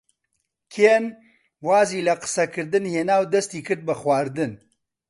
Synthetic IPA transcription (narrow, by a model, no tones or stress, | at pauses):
kʰeːn | waːziːlɐqɨ̥sɐkʰɨɾd̪ɨnheːnaːwd̪ɐst̪iːkʰɨɾd̪̚bɨxwaːɾd̪ɨn